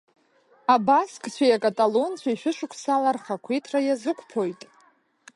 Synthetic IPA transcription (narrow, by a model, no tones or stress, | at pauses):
abaskʼt͡ɕʷʰajakʼatʼalont͡ɕʷʰaiʃʷᶣɪʂʷʊkʷʰsalarχakʷʰejtʰrajazɨkʷʰʼpʰo̞jtʼ